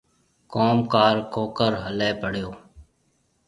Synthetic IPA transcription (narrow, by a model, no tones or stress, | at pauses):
koːmkaːɾkoːkəɾɦəleːpəɽ̤joː